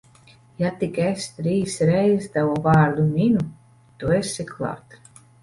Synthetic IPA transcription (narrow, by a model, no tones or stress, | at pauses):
jat̪ikɛst̪ɾiːsɾɛjzt̪avɔvaːɾlʲumʲinu | t̪uesikʰlˠa̰ːt̪